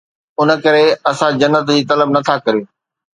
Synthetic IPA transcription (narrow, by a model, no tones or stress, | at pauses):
ʊnə̆kɐɾeɐsãd͡ʑɐnːət̪d͡ʑiːt̪ɐləbnɐt̪ʰakɐɾijoː